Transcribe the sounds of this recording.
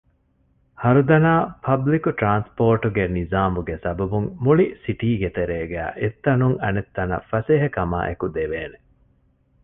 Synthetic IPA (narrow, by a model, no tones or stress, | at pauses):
hɐɾud̪ɐnaːpʰɐblikuʈɾaːnspoːɾʈuɡenizaːmuɡesɐbɐbuŋmuɭisiʈiːɡet̪eɾeːɡæ̰ːʔet̪ːɐnuŋɐnet̪ːɐnɐ̰fɐseːɦɐkɐma̰ːʔḛkud̪eʋeːne